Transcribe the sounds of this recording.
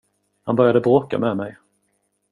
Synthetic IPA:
hanbœɾjad̪əbɾoːka̰mɛːmɛj

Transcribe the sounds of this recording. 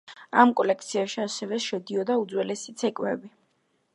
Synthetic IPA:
a̰mkʼɔlɛkʰt̪sʰiaʃiasɛvɛʃɛd̪iɔd̪aud̪zwɛlɛsit̪sʰɛkʼwɛbi

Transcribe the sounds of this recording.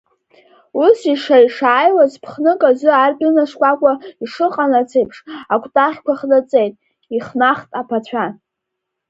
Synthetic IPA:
usiʂaiʂaːjlazpʰχnɨkʼazʷɨarɡʲʼɪnaʂkʷʼakʷʼaiʂɨqʼanat͡sʰejpʰʂakʷʰʼtʼaχʲkʷaχdat͡sʼejtʼ | iχnaχtʼapʰat͡ɕʷʰan

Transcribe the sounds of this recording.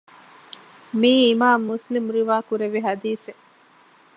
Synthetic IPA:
miːmaːmːuslimɾiʋaːkuɾeʋiɦɐd̪iːse

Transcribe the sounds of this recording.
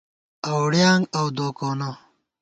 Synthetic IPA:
ɐwɽjaːŋɡɐwd̪oːkoːno

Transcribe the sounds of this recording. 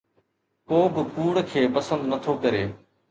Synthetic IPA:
poːbɪkuːɽkʰeːpəsə̃nd̪nət̪ʰokɐɾeː

